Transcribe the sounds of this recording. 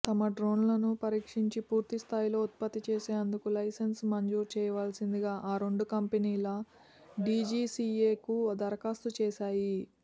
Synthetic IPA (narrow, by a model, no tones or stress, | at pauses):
t̪ɐmɐɖɾo̞ːnlɐnupɐɾiːkʂiɲt͡ʃipuːɾt̪ist̪ʰaːjilo̞ːut̪̚pɐt̪ːit͡ʃeːseːɐnd̪ukulɐjsɐnsmɐɲd͡ʒuːɾt͡ʃɛːjɐʋaːlsind̪iɡaːʔaːɾeɳɖukɐmpeniːlɐ | ɖid͡ʒiːsiːeːkud̪ɐɾɐkaːst̪ut͡ʃeːʃaːji